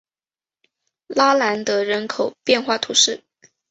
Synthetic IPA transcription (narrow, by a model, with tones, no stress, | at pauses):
la˥la˧˥nt̪ɤ˧˥ɻə˧˥nkʰo˨˩ʊpjɛ˥˧nxwa˥˩t̪ʰu˧˥ʂɻ̩˥˩